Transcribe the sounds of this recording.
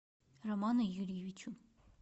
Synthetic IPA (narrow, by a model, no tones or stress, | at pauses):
rɔmɑnəjuɾivit͡ʃʰun